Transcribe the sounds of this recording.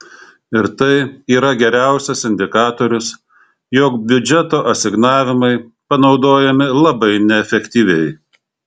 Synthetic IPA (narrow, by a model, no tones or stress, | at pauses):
ɪɾt̪ɐɪiːɾɐɡʲɛɾʲæˑʊsʲɛsɪnʲd̪ʲɪkɑːt̪oːɾʲʊs | joːkbʲʊd͡ʒʲɛt̪oːʔɐsʲɪɡnɑːʋʲɪmɐɪ | pɐnɒʊd̪oːjɛmʲɪlˠɐbɐɪnʲɛɛfʲɛkt̪ʲiːʋʲɛɪ